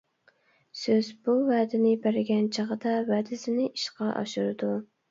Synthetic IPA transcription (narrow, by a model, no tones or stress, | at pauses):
søzbuvæːd̪ɪnɪbæɾɪɡʲɛnt͡ʃʰɑʁəd̪ɑvæːd̪ɪsɪnɪʔiʃqʰɑʔɑ̰ʃuɾɨd̪u